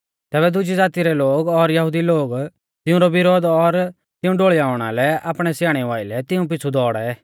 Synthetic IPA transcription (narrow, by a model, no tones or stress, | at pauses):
t̪ɛːbɛd̪ʊd͡ʒid͡zaːt̪iɾɛloːɡɔɾjɐɦʊd̪iloːɡ | t̪ɪʊ̃ɾɔbɪɾoːd̪ɔɾ | t̪ɪũɖoːɭiaːʊɽ̃a̰lɛaːpɽ̃ɛsjaːɽ̃ɛʋaːɪlɛt̪ɪũp̬ɪt͡sʰud̪ɔːɽɛ